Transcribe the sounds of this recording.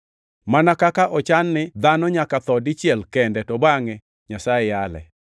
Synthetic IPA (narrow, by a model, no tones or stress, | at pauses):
manakakaʔɔt͡ʃanːɪd̪anɔɲakat̪ɔdɪt͡ʃjɛlkɛndɛtɔbaŋɛ | ɲasaɛjalɛ̰